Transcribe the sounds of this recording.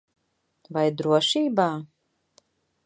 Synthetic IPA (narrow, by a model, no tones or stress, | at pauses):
vajd̪ɾuɔʃiːbaː